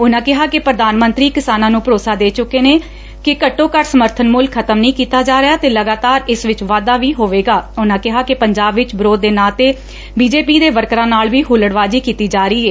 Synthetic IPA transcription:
ʊnãːkɪɦaːkɪpɾəd̪aːnmənt̪ɾiːkɪsaːnãːnũːpɾoːsaːd̪eːt͡ʃʊkːeːneː | kɪkəʈːõːkəʈsəməɾt̪ʰənmʊlkʰːət̪əmnəĩːkiːt̪aːd͡ʒaːɾɪaːt̪eːləɡaːt̪aːɾɪsʋɪt͡ʃʋaːd̪aːʋiːɦoːʋeːɡaːʊnãːkɪɦaːkɪpəɲd͡ʒaːbʋɪt͡ʃbɪɾoːd̪ːeːnaːt̪eː | biːd͡ʒeːpiːd̪eːʋəɾkɾãːnaːlʋiːɦʊləɽʋaːd͡ʒiːkiːt̪iːd͡ʒaːɾiːɛː

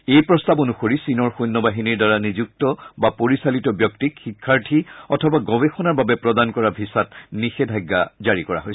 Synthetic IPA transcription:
ejpɹɔstabonuxoɹisinɔɹxujnːɔbaɦiniɹdaɹanizuk̚tɔbapoɹisalitɔbjɔktikxikʰːaɹtʰiɔtʰɔbaɡɔbexɔnaɹbabɛpɹɔdankɔɹabʱisatnixɛdʱaɡːa̰zaɹikɔɹa̰ɦojs

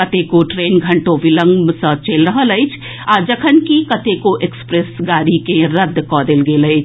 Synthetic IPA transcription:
ɐt̪ekoʈɾeːnɡʱɐ̃ɳʈoʋɪlə̃ŋɡmsət͡ʃeːlɾəɦələit͡ʃʰ | aːd͡ʒɐkʰənkikɐt̪ekoʔekspɾesɡaːɾikẽɾɐd̪ʱːkɔːd̪elɡeːləit͡ʃʰ

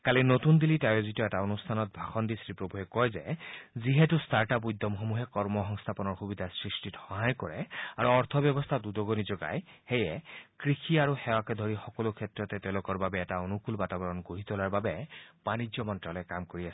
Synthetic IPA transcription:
kalinotund̪ilitajozitɔɛtaonustʰanɔt̚bʱaxɔndisɹipɹobʱuɦɛkɔjzɛziɦɛtustaɹtapujd̪ʱːɔmxomuɦɛkɔɹmɔɦɔŋst̪ʰapɔnɔɹxubid̪ʱasɹistitxɔɦajkɔɹɛa̰ɹuɔɹt̪ʰɔbjɔbɔst̪ʰadudɔɡonizɔɡa̰jxejɛkɹixʰiaɹuxɛwakɛd̪ʱoɹixɔkɔlokʰɛtɹɔtɛtɛʊlokɔɹbabɛːtaonukulbatabɔɹɔnɡoɦit̪olaɹbabɛb̥anid͡ʒɔmɔntɹalɔjkamkoɹiasɛ̥

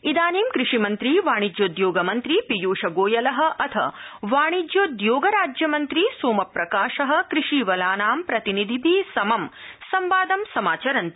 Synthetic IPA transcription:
id̪aːniːmkɾɪʂimɐnt̪ɾiʋaːɳ̃id͡ʒjoːd̪joːɡɐmɐnt̪ɾipijuːʃɐɡoːjɐlɐɦɐ̆ʔɐt̪ʰɐ̰ʋaːɳid͡ʒjoːd̪joːɡɐɾaːd͡ʒjɐmɐnt̪ɾisoːmɐpɾɐkaːʃɐɦɐ̆kɾiʂiʋɐlaːnaːmpɾɐt̪inid̪ʱibʱiːsɐmɐm | sɐmʋaːd̪ɐmsɐmaːt͡ʃɐɾɐnt̪i̥

